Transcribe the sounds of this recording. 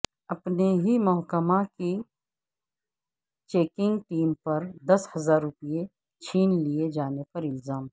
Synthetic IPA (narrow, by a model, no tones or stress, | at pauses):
ɐpneɦimʊɦkəmaki | t͡ʃeːkɪ̃ŋɡʈiːmpɐɾd̪ɐshɐzaːɾːʊpie | t͡ʃʰiːnlied͡ʒaːnepɐɾɪlzaːm